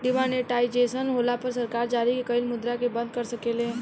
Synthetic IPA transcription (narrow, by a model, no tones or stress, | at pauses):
ɖɪʋãneʈaːjd͡ʒesənɦolapəɾsəɾkaːɾd͡ʒaːɾikekəilmʊd̪ɾakebə̃nd̪̚kəɾsəkelẽ